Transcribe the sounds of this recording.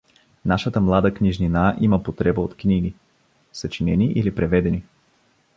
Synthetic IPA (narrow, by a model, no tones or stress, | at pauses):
naʃət̪əmlˠad̪əkniʒninaʔiməpot̪ɾɛbəot̪kniɡi | sət͡ʃinɛniʔilipɾɛvɛd̪ɛni